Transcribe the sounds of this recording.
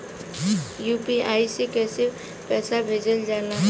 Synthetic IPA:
jupiajsikesi | pɛsabʱed͡ʒəld͡ʒana

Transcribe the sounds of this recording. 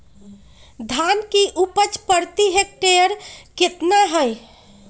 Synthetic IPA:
d̪ʱankiʔupət͡ʃpəɾt̪iɦek̚ʈejəɾket̪naɦəj

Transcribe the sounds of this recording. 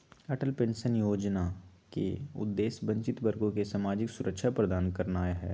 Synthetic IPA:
ɛʈəlpẽːnsənjoːd͡ʒna | kḛʊ̰d̪ːeːsbə̃ɲt͡ʃɪt̪bəɾɡõkesaːmaːd͡ʒɪksʊɾəkʃʰapɾəd̪aːnkɐɾnaːeɦɛː

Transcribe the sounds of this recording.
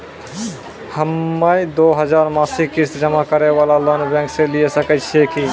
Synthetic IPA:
həmːəid̪oːɦəd͡ʒaːɾmaːsikist̪d͡ʒəmakəɾeʋaːlaloːnbɛ̃ːŋkselijesəkət͡ʃʰieki

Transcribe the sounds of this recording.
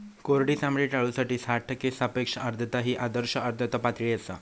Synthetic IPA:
koɾɽiːsamɭiʈaɭuːsaʈiːsaʈʰːəkesapekʂəəɾd̪ʱət̪aɦiːʔad̪əɾɕəəɾd̪ʱət̪əpat̪ɭiːəsa̰

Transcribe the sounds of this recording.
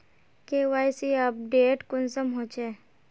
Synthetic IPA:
keːʋaːjsiəp̚ɖeːʈkʊnsəmɦoːt͡ʃe

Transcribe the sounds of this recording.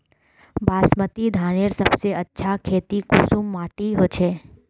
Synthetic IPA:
bʱasmət̪id̪ʱaneɾsəbseətːʃʰakʰet̪ikusumːaʈiɦot͡ʃʰe

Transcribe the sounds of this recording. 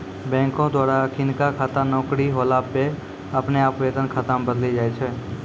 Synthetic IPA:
bɛ̃ːŋkõd̪waːɾakʰɪnkakʰaːt̪anɔːkɾiɦoːlaːpe | ɐpneaːpʋeːd̪ənkʰət̪əmbəd̪lid͡ʒaːet͡ʃʰɛː

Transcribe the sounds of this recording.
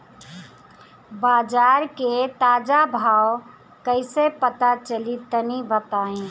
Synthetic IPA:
baːd͡ʒaɾket̪ad͡ʒabʱaw | kəɪsepət̪at͡ʃəlit̪ːənibət̪aẽ

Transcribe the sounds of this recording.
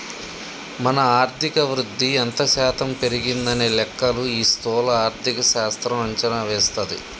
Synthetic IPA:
mɐnɐaːɾt̪ʰikɐʋɾud̪ʱːiɐnt̪ɐʃaːt̪ɐmpe̞ɾiɡind̪ɐneːlɛkːɐluiːst̪ɔːlɐaːɾt̪ʰikɐʃaːst̪ɾɐmɐɲt͡ʃɐnaʋɛːst̪ɐd̪ḭ

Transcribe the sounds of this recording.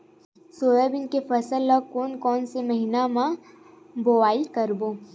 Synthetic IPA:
soːjəbɪnkefʰɐsəlːɔkoːnkɔːnsemɐɦinamã | boːbaːɪlkɐɾboː

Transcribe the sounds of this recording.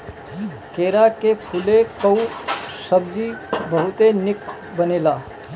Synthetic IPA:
keːɾakepʰʊlekəusəbd͡ʒibəɦʊt̪enɪk | bɐneːlaː

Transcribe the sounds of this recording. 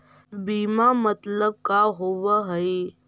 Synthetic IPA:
biːmamət̪ləb̚kaɦoʋəɦəe

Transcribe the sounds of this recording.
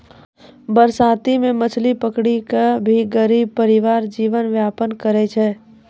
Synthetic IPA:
bəɾsaːt̪imẽmət͡ʃʰlipəkɽikabʱiɡəɾiːb̚pəɾɪʋaːɾd͡ʒiːʋənʋjaːpənkəɾet͡ʃʰɛː

